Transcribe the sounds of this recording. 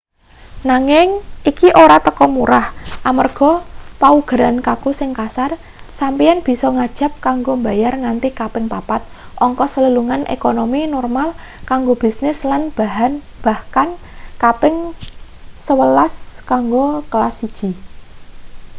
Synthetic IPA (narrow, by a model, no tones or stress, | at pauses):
naŋɪŋʔikiʔoɾat̪əkɔmuɾahʔamərɡ̥ɔ̤pauɡ̥əɾankakusɪŋkasar | sampianb̥i̤sɔŋad̥ʒ̥a̤p̚kaŋɡombajarŋant̪ikapɪŋpapat̪̚ʔɔŋkɔsələluŋanʔḛkonominɔrmal | kaŋɡob̥i̤snɪslanb̥a̤ɦan | b̥a̤hkankapɪŋ | səwəlaskaŋɡokəlasid̥ʒ̥i̤